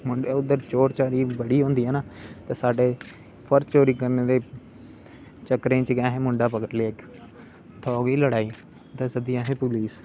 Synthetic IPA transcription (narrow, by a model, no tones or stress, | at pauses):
mʊɳɖeʊd̪əɾt͡ʃoːɾt͡ʃaːɾiːbəɽiːɦõːnd̪iːɦɛːnaːt̪eːsaːɖeː | pʰəɾt͡ʃoːɾiːkəɾneːd̪eː | t͡ʃəkɾẽːt͡ʃkɛ̃ːɦẽːmʊ̃ɳɖaːpəkəɾleːɪk | t̪ʰɔːɡiːləɽaːiː | t̪eːsəd̪iːɛ̃ːɦẽːpʊliːs